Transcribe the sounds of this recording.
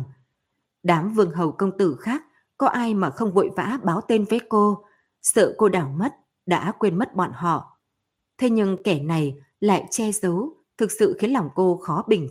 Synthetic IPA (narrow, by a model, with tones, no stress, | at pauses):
ɗaː˨˦mvɨ˨˩əŋɦə˨˩wkə˧wŋ͡mt̪ɨ˧˩xaː˦˥k̚ːɔ˨˦ʔaː˧jmaː˨˩xə˧wŋ͡mvṵ˧˨jva̰ː˧˥ɓaː˨˦wt̪e˧nvəː˨˦jko˧ | sə̰ː˧˨ko˧ɗaː˧˩wmə˦˥t̚ | ɗa̰ː˧˥kwe˧nmə˦˥t̚ɓa̰ː˧˨nɦɔ̰˧˨ | t̪ʰe˧ɲɨ˧ŋkɛ˧˩na˨˩j | la̰ː˧˨jt͡ɕɛ˧zə˨˦w | t̪ʰɨ˨˩k̚sɨ̰˧˨xi˨˦nla˨˩wŋ͡mko˧xɔ˨˦ɓï˨˩ŋ̟